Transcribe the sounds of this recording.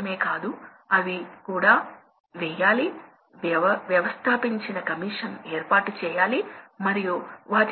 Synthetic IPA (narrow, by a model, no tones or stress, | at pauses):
me̞ːkaːd̪u | ɐʋikuːɽaː | ʋɛːjaːli | ʋjɐʋɐst̪ʰaːpiɲt͡ʃinɐkɐmiːʂɐneːɾpaːʈut͡ʃɛːjaːlimɐɾijuʋaːt